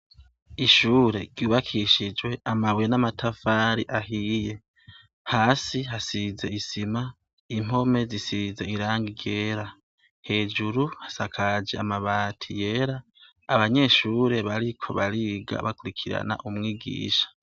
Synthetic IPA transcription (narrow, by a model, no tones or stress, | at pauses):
iʃuːɾe̞ɡjuːβakʰiʃid͡ʒwe̞ʔamaβwenamatʰafaːɾiʔaɦije̞ | haːsiɦasize̞isima | im̥o̞me̞zisize̞iɾaːŋɡiɾje̞ːɾa | he̞ːd͡ʒuɾuhḁsakʰad͡ʒe̞amaβaːtʰije̞ːɾaː | βaɲe̞ʃuːɾe̞βaɾikʰo̞̰βaɾiɡa̰βakuɾikʰiɾa̰na̰ʔumŋiːɡḭːʃḁ